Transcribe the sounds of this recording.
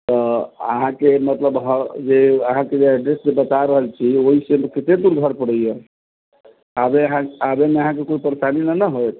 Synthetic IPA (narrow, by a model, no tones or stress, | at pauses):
t̪ɔə̰ɦãkemət̪ləbɦəd͡ʒeəɦãked͡ʒeɛɖɾesd͡ʒebət̪aɾəɦəlt͡ʃʰioɦisẽmekit̪ed̪uɾɡʱəɾpəɽəje | abeɦãabemeəɦãkekoipəɾesaninənəɦojt̪ʰ